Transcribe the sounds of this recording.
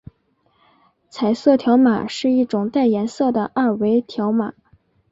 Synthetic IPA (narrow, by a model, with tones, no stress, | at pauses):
t͡sʰa˨˩ɪsɤ˥˩t̪ʰjɑ˧˥ʊma̰˨˩ʂɻ̩˥˧i˥˩ʈ͡ʂʊ˨˩ŋt̪a˥˩ɪjɛ˧˥nsɤ˥˩d̪ə˩ʔa˥˩we˧˥ɪt̪ʰjɑ˧˥ʊma˨˩˦